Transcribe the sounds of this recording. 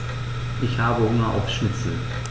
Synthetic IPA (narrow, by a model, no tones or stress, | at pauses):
ʔɪçhaːbəhʊŋɐʔa̰ʊfʃɪt͡sl̩